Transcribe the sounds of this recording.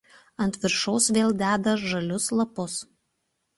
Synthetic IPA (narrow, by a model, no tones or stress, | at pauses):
ɐnʲt̪ʲʋʲɪɾʃɔʊsʋʲeːlˠd̪ʲæːd̪ɐʒɐlʲʊslˠɐpʊs